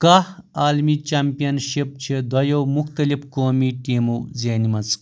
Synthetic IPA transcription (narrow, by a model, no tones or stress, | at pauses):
kaaːlmit͡ʃaːmpijɐnʃip̚t͡ʃʰid̪ʱɐjowmukʰt̪ɐlifkoːmiʈiːmuzeːnimɐt͡s